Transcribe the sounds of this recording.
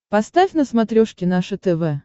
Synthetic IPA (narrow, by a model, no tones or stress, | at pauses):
pɐst̪afʲnəsmɐt̪ɾʲoʂkʲɪnaʂɨt̪ɛvɛ